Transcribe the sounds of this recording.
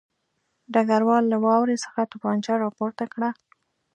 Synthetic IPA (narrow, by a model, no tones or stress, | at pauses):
ɖaɡaɾwɑlːawɑwɾesə̥xat̪upɑnt͡ʃaɾɑpoɾt̪akɽa